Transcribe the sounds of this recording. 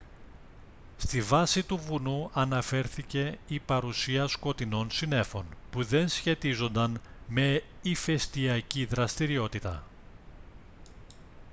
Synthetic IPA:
st̪ivɐsit̪uvunuɐnɐfe̞ɾθice̞ipɐɾusiɐsko̞t̪ino̞nsine̞fo̞npuðe̞nsçe̞t̪izo̞nd̪ɐnme̞ife̞st̪iɐciðɾɐst̪iɾio̞t̪it̪ɐ̰

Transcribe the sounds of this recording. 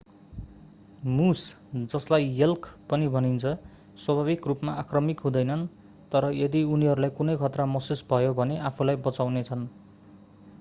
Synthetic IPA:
musd͡zʌslajjʌlkpʌnibʱʌnint͡sʰʌ | swʌbʱaβikrupmaʔakrʌmikɦũd̪ʌjnʌn | t̪ʌɾʌjʌd̪iuniɦʌɾulajkunʌjkʰʌt̪ramʌsusbʱʌjobʱʌneʔapʰulajbʌt͡sawnet͡sʰʌn

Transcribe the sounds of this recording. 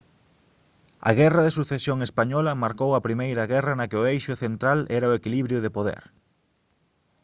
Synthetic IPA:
ɐ̰ɣɛrɐðesuθesjoŋespaɲɔlɐmaɾkowɐpɾimejɾɐɣɛrɐnɐkɪoejʃʊθent̪ɾalɛɾɐʊekiliβɾjʊðepoðɛ̰ɾ

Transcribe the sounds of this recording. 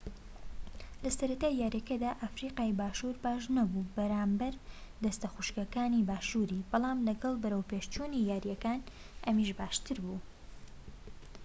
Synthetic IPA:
lɐsɐɾɐt̪aːjːaːɾjɐkɐd̪aːʔafɾiːqaːjbaːʃuɾbaːʃnɐbubɐɾaːmbɐɾd̪ɐst̪ɐxuʃkɐkaːniːbaːʃuːɾiːb̥ɑlˠɑːmlɐɡɐlˠbɐɾəwpeːʃt͡ʃunijaːɾijɛkaːn | ʔɐmiʃbaːʃt̪ʰɨɾbuː

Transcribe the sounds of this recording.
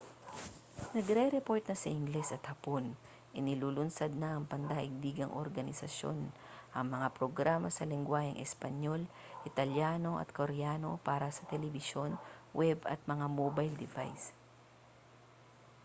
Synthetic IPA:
nɐɡɾɛɾɛpo̞ɹt̪̚nɐsɐʔɪŋɡlɛsɐt̪hɐpon | ʔɪnɪlulʊnsɐd̪̚nɐʔɐŋpɐnd̪aːʔɪɡ̚biːɡɐŋʔo̰ɾɡɐnɪsɐʃjo̞̰nʔɐŋmɐŋapɾoɡɾaːmɐsɐlɪŋɡwaːhɪŋʔɛspɐɲo̞l | ʔɪt̪ɐljaːno̞ʔɐ̰t̪̚koɾjaːno̞paːɾɐsɐt̪ɛlɛbɪʃo̞nwʔɛbɐ̰t̪̚mɐŋamobajld̪ɪva̰js

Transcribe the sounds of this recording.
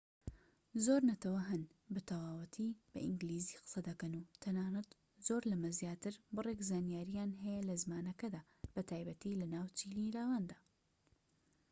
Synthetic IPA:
zoːɾnɐt̪ɐwɐɦɨn | bɨt̪ʰɐwaːwɐt̪ʰib̥ɐ̰ʔɪŋɡliːziqɨ̥sɐd̪ɐkɐnut̪ʰɐnaːnɨt̪ | zoːɾlɐmɐzjaːt̪ɨɾbɨrˤekzaːnijaːɾijaːnɦɐjɛlɐzmaːnɐkɐd̪aː | b̥ɐt̪ʰaːjbɐt̪ilɐnaːwt͡ʃiliɾaːwand̪aː

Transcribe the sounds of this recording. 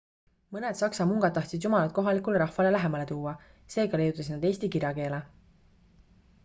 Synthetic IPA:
mɤned̪̥sɑksɑmuŋɡ̥ɑd̪̚t̪ːɑht̪sid̪jumɑlɑt̪̚ko̞ɦɑlikːˑuleɾɑhvɑle̞læɦe̞mɑle̞t̪uːɑ | se̞ːɡɑlejut̪ːˑɑsid̪nɑd̪eːsʲt̪ikiɾʲjɑke̞ːle

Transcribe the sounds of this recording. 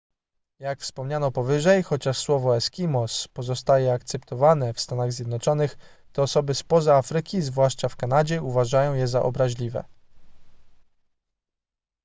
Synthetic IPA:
jakfspɔmɲanɔpɔvɘʐɛjxɔt͡ɕaʂswɔvɔɛskʲimɔspɔzɔst̪ajɛakt̪sɛpt̪ɔvanɛfst̪anaɣzʲjɛd̪nɔt͡ʂɔnɘx | t̪ɔːsɔbɘspɔzaafɾɘkʲizvwaʂt͡ʂafkanad͡ʑɛuvaʐajɔ̃w̃jɛzaʔɔ̰bɾaʑlʲivɛ̰

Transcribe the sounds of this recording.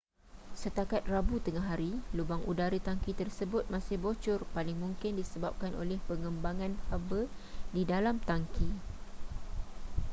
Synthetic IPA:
sət̪akat̪̚rabut̪əŋaɦaɾilubaŋʔudaɾət̪aŋkit̪ərsəbʊt̪̚mãsɪhbot͡ʃʊrpalɪŋmũŋkɪndisəbap̚kanʔo̰lɛhpəŋəmbaŋãnhabədidalamt̪aŋki

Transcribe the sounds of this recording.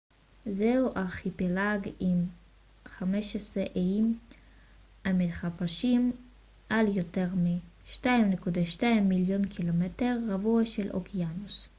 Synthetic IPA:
zeuʔaʁχipelaɡim | χameʃesʁeʔejim | amit̪χapaʃim | ʔaljoteʁmiʃtaimnekudaʃtaimːiljo̞nkʰilometeʁːavuaʃelʔo̰kʰianus

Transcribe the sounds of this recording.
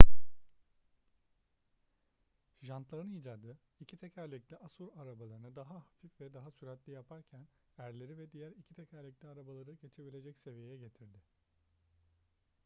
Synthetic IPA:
ʒant̪lˠaɾɯniːd͡ʒaːd̪ɯ | icʰit̪ʰɛcæɾlʲiclʲiʔasuɾaɾabalˠaɾɯnɯd̪aɦahafifvɛd̪aɦasyɾɛt̪lʲijapʰaɾcʰæn | æɾlʲe̞ɾivɛd̪ijæɾicʰit̪ʰɛcʰæɾlʲiclʲiaɾabalˠaɾɯɟe̞t͡ʃʰe̞bilʲe̞d͡ʒɛcse̞vijejɛɟe̞t̪ʰiɾd̪ɪ

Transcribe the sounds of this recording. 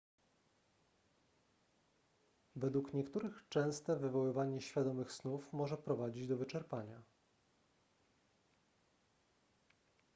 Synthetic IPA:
vɛd̪wukɲɛkt̪uɾɘxt͡ʂɛ̃w̃st̪ɛvɘvɔwɘvaɲɛɕfʲjad̪ɔmɘxsnufmɔʐɛpɾɔvad͡ʑid͡ʑd̪ɔvɘt͡ʂɛɾpaɲa

